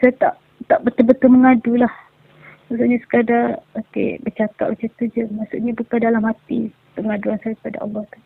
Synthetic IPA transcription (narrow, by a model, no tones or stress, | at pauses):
sajat̪a̰ʔ | t̪aʔbət̪ubət̪uməŋadulah | maʔsuʔɲasə̥kadaokḛbət͡ʃakat̪̚bət͡ʃat̪ud͡ʒəmaʔsṵʔɲabukandalamhat̪i | pəŋaduansajakəpada̰ʔɑ̰lːɔht̪u̥